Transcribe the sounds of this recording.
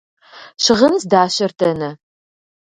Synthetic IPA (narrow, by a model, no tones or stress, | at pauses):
ʃɪʁənzdaːɕɐrtʰɐnɐ